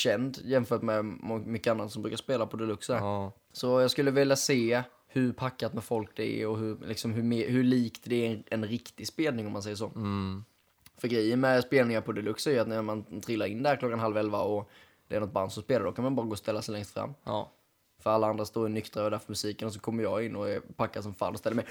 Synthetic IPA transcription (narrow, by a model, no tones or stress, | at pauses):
ɕɛnd̪jɛmfœːʈmɛmʏkːəanːat̪sɔmbɾʉ̟ːkaspeːlapʰɔd̪ɛlɵksæ | sɔjɑːɡskɵlːəvɪljaseː | hɵɾpʰakːat̪mɛfɔlk̚d̪ɛæ̰ɔɦɵɾlɪksɔmɦɵmhɵɭiːkt̪d̪ɛæɛnɾɪkt̪ɪspeːlnɪŋɔmːansɛjːəʂ̬oː | fœɾɡɾɛjːənmɛspeːlnɪŋapʰɔd̪ɛlɵksæɾjəat̪nɛmant̪ʰɾɪlːaɾɪnːd̪ɛhæːɾklɔkːanɦalvɛlvaɔ | d̪̥ɛæːɾnɔt̪̚band̪sɔmspeːlaɾɖ̪ɔkʰanmanbɑːɾaɡoːst̪ɛlːasɛjlɛŋst̪fɾa̰mː | fœɾalːaand̪ɾast̪oːɾɪnʏkt̪ɾad̪æɾfœɾmɵsiːkənɔs̬ɔkʰɔmːəɾjɑːɪnːɔɛɾpʰakːad̪sɔmfa̰ːnɔst̪ɛlːəmɛ